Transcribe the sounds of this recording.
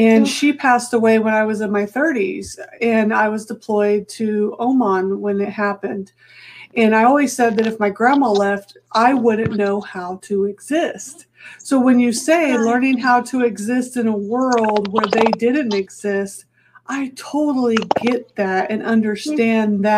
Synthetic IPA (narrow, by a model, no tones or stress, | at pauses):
ɨ̃nʃipʰæstəweɪwə̃naɪwʌzɨ̃nmaɪθɜ˞ɾḭz̥ɨ̃naɪwʌzdɨpʰl̥ɔɪd̚tʰɨõʊ̃mɑ̃nwə̃nɨt̚hæpɨ̃nd | ɨ̃naɪɔlˠwiz̥sɛd̪̚ðɨɾɨfmaɪɡɹæ̃məlɛftʔaɪwʊdⁿn̩noʊhaʊɾɨɪɡzɪst | soʊwɨ̃njɨseɪlɜ̃˞nɪ̃ŋɦaʊɾɨɪɡzɪstɨ̃nəwɜ˞llˠd̚wə˞ðeɪdɪdⁿn̩tɨɡz̥ɪst | ʔaɪtʰoʊɾl̩ˠiɡɛt̪̚ðɨɾɨ̃nʔʌ̃ndə˞stæ̃nðɨ